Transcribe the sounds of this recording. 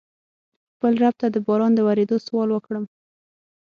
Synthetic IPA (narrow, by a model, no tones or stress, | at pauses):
xpəlɾab̚t̪ad̪əbɑɾɑnd̪əwaɾed̪oswɑlwəkɽəm